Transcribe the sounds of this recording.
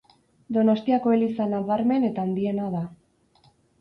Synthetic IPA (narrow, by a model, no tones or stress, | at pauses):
d̪o̞nost̪iako̞elisanaβaɾme̞ne̞t̪aːnd̪ie̞naða